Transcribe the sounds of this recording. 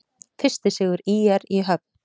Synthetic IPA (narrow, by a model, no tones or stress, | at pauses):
fɪr̥st̪ɪsɪːɣʏɾijɛɾiɦœp̚n̥